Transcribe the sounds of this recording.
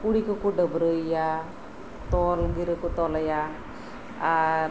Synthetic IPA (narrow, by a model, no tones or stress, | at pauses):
kuɽikokoɖəbɾəija | t̪ɔlɡiɾəkot̪ɔləja | aɾ